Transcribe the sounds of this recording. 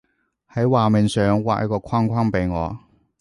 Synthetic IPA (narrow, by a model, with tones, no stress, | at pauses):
hɐ˨˥jwaː˨mɪ˨nsœː˨ŋwa̰ː˨k̚jɐ̰˥kːɔː˧kʰaː˥ŋkʷʰaː˥ŋpe˨˧jŋɔː˨˧